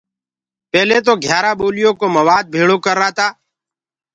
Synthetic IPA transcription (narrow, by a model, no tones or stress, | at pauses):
pɛːleːt̪̬oːɡʱjaːɾaːɓoːlɪjõːkoːməʋaːd̪̚bʱeːɽoːkəɾːaːt̪aː